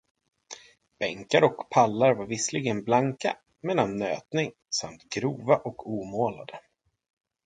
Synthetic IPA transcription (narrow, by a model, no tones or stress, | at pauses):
b̥ɛŋkaɾɔkpʰalːaɾvaɾvɪslɪɡənblaŋka̰ | mɛːlanːø̰ːt̪nɪŋ | sa̰mt̪ɡɾuːvaʔɔkʰuːmoːla̰d̪ə